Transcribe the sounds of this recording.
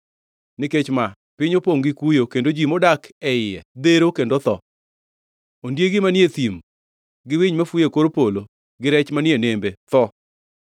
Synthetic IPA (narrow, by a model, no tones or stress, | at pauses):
nɪket͡ʃma | pɪɲopoŋɡɪkujokendod͡ʒimɔdakɛɪɛd̪eɾokendot̪ɔ | ondjeɡɪmanjet̪im | ɡɪwiɲmafujekoɾpolo | ɡɪɾɛt͡ʃmanɪenembet̪ɔ